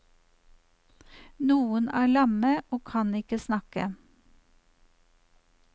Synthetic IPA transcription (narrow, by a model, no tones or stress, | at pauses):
nuːənæːɭɑməʔoːkʰɑnɪkəsnɑkə̰